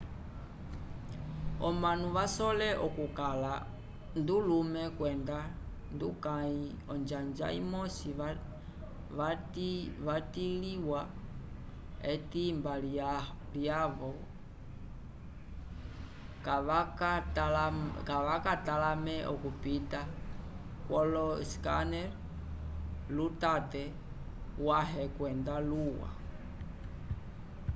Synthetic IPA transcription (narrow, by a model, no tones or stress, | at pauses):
ɔmanuʋasɔlɛʔɔkukala | ndulumɛkwɛnda | ndukai | ɔnd͡ʒand͡ʒa̰ḭmɔsi | ʋatʋatiliwa | ɛtimbal | ljavɔ | kaakatlkaʋakatalamɛʔɔkupita | kwɔlɔskanɛɾ | lutatɛ | waɦɛkwɛndaluwa̰